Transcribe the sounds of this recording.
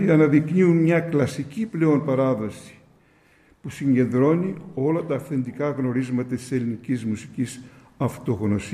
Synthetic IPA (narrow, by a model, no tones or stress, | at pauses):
iɐnɐðikniunmɲɐklɐsiciple̞o̞npɐɾɐðo̞si̥ | pusiɲɟe̞nd̪ɾo̞nio̞lɐt̪ɐːfθend̪ikɐɣno̞ɾizmɐt̪ɐt̪i̥se̞linicizmusi̥cis | ɐft̪o̞ɣno̞s